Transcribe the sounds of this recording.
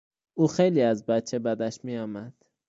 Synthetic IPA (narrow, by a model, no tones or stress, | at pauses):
ʔuːxejliːæzbæt̪t͡ʃʰebæd̪æʃmijɒːmæd̪̥